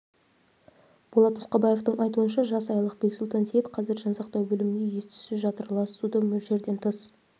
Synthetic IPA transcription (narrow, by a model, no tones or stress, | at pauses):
b̥olˠɑt̪mʊsqɑbɑje̞ft̪əɴʔɑjt̪uənʃɑʒɑsɑjɑlˠəqbe̞ksulˠt̪ɑnsejet̪qʰɑzɪɾʒɑnsɑqt̪ɑwbɵlɪmɪnd̪e̞je̞st̪ʏ̥sɪʒɑt̪əɾlˠɑsud̪əmʏɾʒe̞ɾd̪e̞nt̪ʰəs